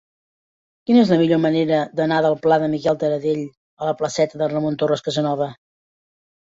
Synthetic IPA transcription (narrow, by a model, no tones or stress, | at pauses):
kinəezləmiʎoməneɾəd̪ənaðəlˠplaðəmikɛlˠt̪əɾəðeʎ | ələpləsɛt̪əðərəmont̪orəskəzənɔβə